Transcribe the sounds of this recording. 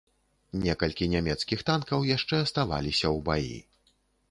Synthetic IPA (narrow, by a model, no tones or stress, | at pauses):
nʲɛkɐlʲkʲinʲamʲɛt̪skʲixt̪ankɐwjaʂt͡ʂɛɐst̪ava̰lʲisʲɐwbajḭ